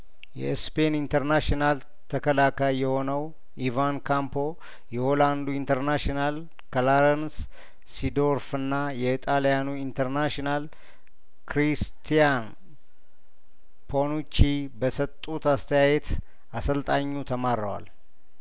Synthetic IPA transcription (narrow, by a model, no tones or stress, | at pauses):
jɛ̰ɨspenint̪ʰəɾnaʃonal | t̪ʰəkəlakajjɛho̞nəw | ʔivankʰampʰo̞ | jɛholand̪uint̪ʰəɾnaʃonal | kʰəlaɾəns | sid̪oɾfɨnːajɛit̪ʼalijanuint̪ʰəɾnaʃinal | kʰɾist̪ʰijan | pʰonut͡ʃibəsət̪ʼːut̪ast̪ʰəjajɛt̪ | asəlt̪ʼaɲːut̪ʰəmaɾːəwa̰l